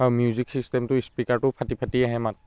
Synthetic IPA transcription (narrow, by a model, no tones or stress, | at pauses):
aɹumjuziksistɛmtʊispikaɹtʊpʰatipʰatiaɦɛmat